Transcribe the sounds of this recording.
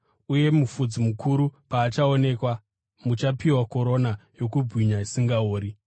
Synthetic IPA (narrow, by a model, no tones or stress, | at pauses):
uje̞mufud͡zimukuɾupaːt͡ʃaone̞ːkwa | mut͡ʃapiwako̞ɾo̞najo̞kubwiɲaisiŋɡaoːɾi